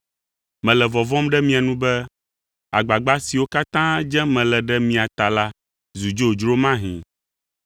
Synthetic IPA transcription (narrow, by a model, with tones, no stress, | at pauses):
mɛ̃˨lɛ˨vɔ˨vɔ̃˦mɖɛ˦mĩ˦a˨nũ˦bɛ˦ | a̰˨ɡ͡ba˨ɡ͡ba˦si˨wo˦ka˦t̪ã˦d͡ʒɛ̃˦mɛ̃˨lɛ˨ɖɛ˦mĩ˨a˨t̪a˨la˦ | zu˨d͡ʒo˦˨d͡ʒɾo˦mã˦ɦḭ̃˨